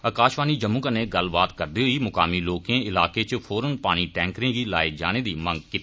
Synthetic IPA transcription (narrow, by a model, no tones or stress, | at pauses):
əkaːʃʋaːniːd͡ʒəmːũkəneːɡəlbaːt̪kəɾd̪iːɦʊiːmʊkaːmiːloːkẽːɪlaːkeːt͡ʃpʰoːɾənpaːɽ̃iːʈɛ̃ːŋkɾẽːɡiːlaːed͡ʒa̰ːɽ̃eːd̪iːmə̃ŋɡkɪ